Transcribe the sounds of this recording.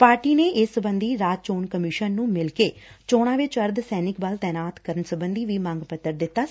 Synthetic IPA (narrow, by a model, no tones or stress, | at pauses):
paːɾʈiːneːʔɪsəbə̃nd̪iːɾaːd͡ʒt͡ʃoːnkəmɪʃənːũːmɪlkeːt͡ʃoːɽ̃aːʋɪt͡ʃəɾd̪sɛːnɪkbaːlt̪ɛːnaːt̪kəɾənsəbənd̪iːʋiːmãːŋɡpət̪ːəɾd̪ɪt̪ːaː